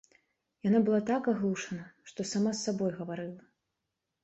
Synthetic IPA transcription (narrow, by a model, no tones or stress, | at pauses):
janabɨlˠat̪akaɣlˠuʂɐnɐʂt̪ɔsamasːabɔjɣɐvaɾɨlˠɐ